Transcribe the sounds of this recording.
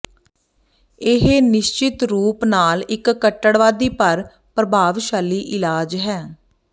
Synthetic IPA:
ɪɦenɪʃt͡ʃɪt̪ɾuːpnaːlɪkːəʈːəɽʋaːd̪iːpəɾ | pɾəbʱaːʋʃaːliːʔɪlaːd͡ʒɦɛː

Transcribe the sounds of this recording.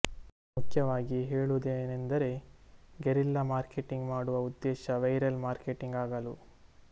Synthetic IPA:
mukʰjɐʋaːɡiɦeːɭud̪enend̪ɐɾe̞ɡeɾilːɐmaːɾkeʈiŋɡmaːɽuʋɐud̪ːeːʃɐʋɐjɾɐlmaːɾkeʈiŋɡaːɡɐlu

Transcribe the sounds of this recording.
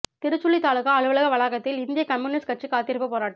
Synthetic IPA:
t̪ɪɾɯt͡ʃːʊɭːit̪aːɭɯɣɐɐɻɯʋɐɭɐɣɐʋɐɭaːɣɐt̪ːɪlɪnd̪ɪjɐkɐmjuːnɪskɐʈ̚t͡ʃikaːt̪ːɪɾɯpːɯpoːɾaːʈːɯ

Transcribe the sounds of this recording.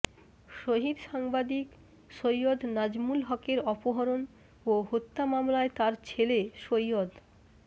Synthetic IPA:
ʃoɦid̪ʃaŋbad̪ik | ʃojod̪nad͡ʑmulɦɔkeɾɔpoɦɔɾon | oɦot̪ːamamlaet̪aɾt͡ɕʰeleʃojod̪

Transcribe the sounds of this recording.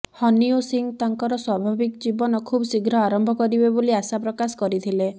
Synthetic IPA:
hɔniosiŋt̪aŋkɔɾɔswabʱabikd͡ʒibɔnɔkʰubsiɡɾɔaɾɔmbʱɔkɔɾibeboliasapɾɔkasɔ̥kɔɾit̪ʰile

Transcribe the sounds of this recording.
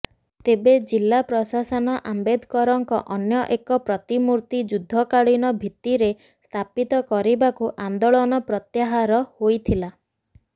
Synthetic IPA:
t̪ebed͡ʒilːapɾɔsasɔnɔʔambed̪ʱkɔɾɔŋkɔʔɔnjɔʔekɔpɾɔt̪imuɾt̪id͡ʒud̪ʱːɔkaɽinɔbʱit̪ːiɾe | st̪ʰapit̪ɔkɔɾibakuʔand̪oɭɔnɔpɾɔt̪jaɦaɾɔhojt̪ʰila

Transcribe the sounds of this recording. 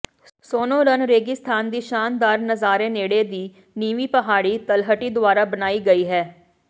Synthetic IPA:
soːnõːɾənɾeːɡɪst̪ʰaːnd̪iːʃaːnd̪aːɾnəzaːɾeːneːɽeːd̪iː | niːʋiːpəɦaːɽiːt̪əlɦəʈiːd̪ʊaːɾaːbənaːiːɡəiːɦɛː

